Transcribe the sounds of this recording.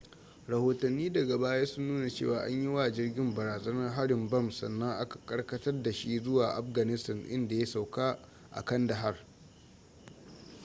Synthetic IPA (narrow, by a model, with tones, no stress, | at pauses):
ɾɐ˨hoː˨tɐ˨nːiː˦dɐ˨ɡa˨baː˦jaː˦sʊ˦nːuː˦na˨t͡ʃḛː˦˨waː˨ʔa̰˦ɲji˦waː˨d͡ʒɪ˦rɡʲɪ˦mbɐ˨ɾaː˨zɐ˦nɐ˦ɦa˦ɽɪ˨mbɐ˦˨msɐ˨nːɐ˦ŋʔa˦kḁ˨kʼɐ˦ɽkɐ˦tɐ˦rda˨ʃi˦zʊ˦waː˨ʔa̰˦ɸɡɐ˨nɪ˦stɐ˨nʔɪ̰˦nda˨ja˦sa˨wkaː˦ | ʔa̰˨kɐ˦ndɐ˨ɦa˦r